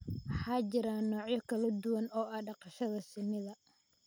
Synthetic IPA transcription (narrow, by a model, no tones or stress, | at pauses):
wɑħɑːt͡ʃɪɾaːnːɔːʕjɐkʰɐlɐd̪ʊwɐnɔːʔɐɖɑqɑʃɐðɐsɪnːɪðɐ